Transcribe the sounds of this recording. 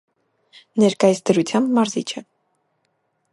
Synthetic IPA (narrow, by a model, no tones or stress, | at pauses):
nɛɾkɑjisd̪əɾut͡sʰjɑmbmɑɾzḭt͡ʃʰɛ